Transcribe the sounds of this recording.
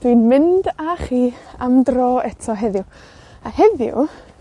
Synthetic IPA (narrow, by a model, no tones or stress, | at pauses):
d̥winmɪndaχiːamdroːɛtʰɔɦɛðjʊ | ahɛðjʊ̰